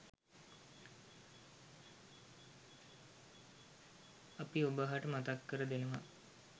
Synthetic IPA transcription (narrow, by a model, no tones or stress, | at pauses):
ɐpiubəɦaʈəmat̪akːəɾəd̪enɐʋa